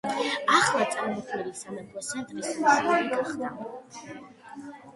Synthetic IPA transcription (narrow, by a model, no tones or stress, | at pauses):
aχlˠat̪sʼaɾmɔt̪ʰwilisamɛt̪ʰɔsʰɛnt̪ʼχisaada